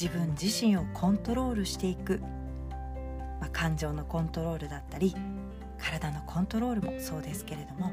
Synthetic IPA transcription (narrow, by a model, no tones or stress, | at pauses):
ibɯ̟̃ɲd͡ʑiɕĩɰ̃o̞kʰõ̞nt̪o̞ɾo̞ːɾɯ̟ɕi̥t̪e̞ikɯ̟ | makʰãɲ̟d͡ʑo̞ːno̞kõ̞nt̪o̞ɾo̞ːɾɯ̟d̪at̪ːaɾʲi | kʰaɾad̪ano̞kʰõ̞nt̪o̞ɾo̞ːɾɯ̟mo̞so̞ːd̪e̞sɨ̥ke̞ɾe̞d̪o̞mo̞